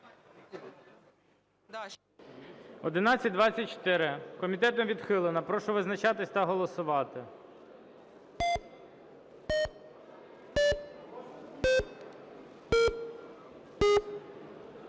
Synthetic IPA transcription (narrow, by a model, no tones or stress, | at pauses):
ɔd̪ɪnɑt͡sʲɐt̚ʲd̪ʋɑt͡sʲːɐt̚ʲt͡ʃɔ̥t̪ɪɾɪkɔmʲit̪ɛt̪ɔmʋʲid̪xɪlˠɪnɐpɾɔʃɔʋɪznɐt͡ʃɑt̪ɪsʲt̪ɐɦɔlˠɔsʊʋɑt̪ɪ